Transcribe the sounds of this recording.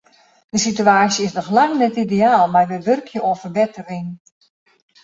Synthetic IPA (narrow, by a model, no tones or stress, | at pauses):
d̥əsityaːsjəɪsnɔxlaŋnɛtideaːlˠmarʋəʋørkʰjəoːfərbɪtərɪŋ